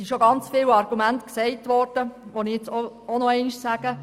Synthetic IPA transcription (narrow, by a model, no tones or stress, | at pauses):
iʃoɡɑnt͡sfɪːwɑɾɡ̥umæntksɛɪtʋɔrd̥əʋonɪɛt͡so | onɔɛɪniʃsæːɡ̥ə